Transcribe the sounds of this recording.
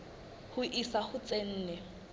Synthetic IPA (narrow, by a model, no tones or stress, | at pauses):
hʊʔisahʊt͡sʼen̩ːnɛ